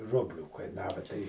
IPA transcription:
ˈrʊbʲlʲuː kɐɪˈnɑːʋɐ tɐɪ

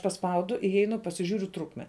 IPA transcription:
pɐˈspɐʊdʊ ɪˈjɛɪnʊ pɐsʲɪˈʒʲuːrʲʊ ˈtrʊkmʲɛ

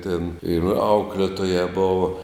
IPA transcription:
tʲeːn ɪr ˈɐʊklʲeːtoːjæː ˈboːʋɐ

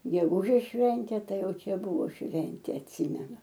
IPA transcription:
ɡʲɛˈɡuːʒʲeːs ˈʃʲʋʲɛnʲtʲeː ˈtɐɪ ˈjɛʊ ˈt͡ʃʲɛ ˈbʊʋoː ˈʃʲʋʲɛnʲtʲeː ɐtʲˈsʲɪmʲɛnʊ

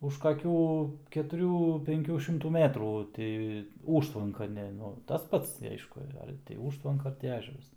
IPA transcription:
ʊʃ kɐˈkʲuː kʲɛtʊˈrʲuː pʲɛŋʲˈkʲuː ʃʲɪmˈtuː ˈmʲæːtruː ˈtʲɪ ˈuːʃtʋɐŋkɐ ˈnʲɛ tɐs ˈpɐts tʲɪ ˈɐɪʃkʊ ˈɐr tʲɪ ˈuːʃtʋɐŋkɐ ˈɐr tʲɪ ˈæːʒʲɛrɐs

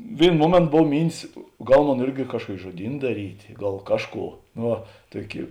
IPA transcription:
ˈʋʲeːɪnoː ˈmuɔmʲeːntoː ˈboːw ˈmʲiːnʲtʲɪs ˈɡɐlˠ ˈmoːn ˈɪrʲɡʲɪ ˈkɑːʃkuɔkʲɪ ʒuɔˈdʲiːn dɐˈrʲiːtʲeː ˈɡɐlˠ ˈkɑːʃˌkuː noː ˈʋɐ ˈtuɔˌkʲɪ

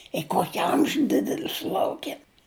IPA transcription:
ɪ ˈkoːkʲɪ ˈɐmʲʒʲʊ ˈdʲɪdʲɛlʲɪ sʊˈlˠɐʊkʲeːm

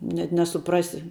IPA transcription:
nʲɛt nʲɛsʊˈprɑːsʲɪ

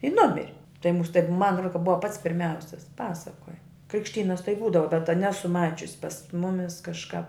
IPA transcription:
ɪ ˈnʊmʲɪrʲɪ tɐɪ muːs tɐɪp mɐn roː kɐ ˈbʊʋɐ pɐts pʲɪrʲˈmʲɛʊsʲɪs ˈpɑːsɐkoːjɛ krʲɪkʃʲˈtʲiːnɐs tɐɪ ˈbuːdɐʋɐ bʲɛt tɐ ˈnʲæːsʊ ˈmɑːt͡ʃʲʊsʲɪ pɐs ˈmʊmʲɪs kɐʃˈkɑːp

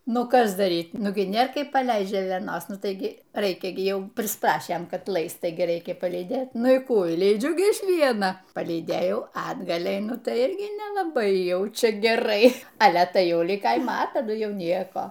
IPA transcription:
ˈnʊ ˈkɐs dɐˈrʲiːt ˈnʊɡʲɪ ˈnʲeːr ˈkɐɪp pɐˈlʲɛɪst ʒʲeːlʲɛˈnoːs ˈnʊ ˈtɐɪɡʲɪ ˈrɐɪkʲɛ ɡʲɪ ˈjɛʊ pʲrʲɪsˈprɑːʃʲeːm ˈkɐt ˈlˠɐɪst ˈtɐɪɡʲɪ ˈrʲɛɪkʲɛ pɐlʲiːˈdʲeːt ˈnʊ iː ˈkuː ɪ lʲiːˈd͡ʒʲʊ ˈɡʲɪ ˈʋʲiɛnɐ pɐlʲiːˈdʲeːjɛʊ ɐ ɐdˈɡɐlʲ ɛɪˈnʊ ˈtɐɪ ˈɪrʲɡʲɪ nʲɛlˠɐˈbɐɪ ˈjɛʊ ˈt͡ʃʲɛ ɡʲɛˈrɐɪ ˈɑːlʲɛ ˈtɐɪ ˈjɛʊ ˈlʲɪk ˈkɐɪmɐ ɐ tɐˈdʊ ˈjɛʊ ˈnʲiɛkoː

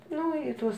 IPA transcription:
ˈnʊ ɪ ˈtuɔs

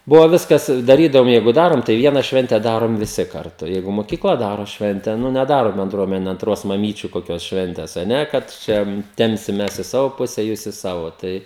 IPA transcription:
ˈbʊʋoː ˈʋʲɪskɐs ɪ dɐˈrʲiːdɐʋoːm ˈjɛɪɡʊ ˈdɑːroːm tɐɪ ˈʋʲiɛnɐ ˈʃʲʋʲɛnʲtʲɛ ˈdɑːroːm ʋʲɪˈsʲɪ kɐrˈtʊ ˈjɛɪɡʊ moːˈkʲiːklˠɐ ˈdɑːroː ˈʃʲʋʲɛnʲtʲɛ nʊ nʲɛˈdɑːroː bʲɛnˈdruɔmʲɛnʲɛ ɐnˈtroːs mɐˈmʲiːt͡ʃʲʊ koːˈkʲoːs ˈʃʲʋʲɛnʲtʲeːs ɐ ˈnʲɛ kɐt ˈt͡ʃʲɛ ˈtʲɛmʲpʲsʲɪm ˈmʲɛs ɪ ˈsɑːʋoː ˈpʊsʲɛ juːs ɪ ˈsɑːʋoː tɐɪ

